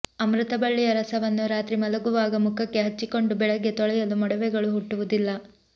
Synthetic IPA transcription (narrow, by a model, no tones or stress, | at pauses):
ɐmɾut̪ɐbɐɭːijɐɾɐsɐʋɐnːuɾaːt̪ɾimɐlɐɡuʋaːɡɐmukʰɐkːe̞ɦɐt͡ʃːiko̞ɳɖubɛɭɐɡːe̞t̪ɔɭɛjɐlumɐɽɐʋɛɡɐɭuɦuʈːuʋud̪ilːɐ